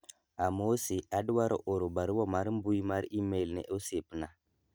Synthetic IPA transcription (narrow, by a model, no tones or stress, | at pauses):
amosiadwaɾo̰ʔoɾobaɾwomaɾmbujimaɾimelnḛʔosepna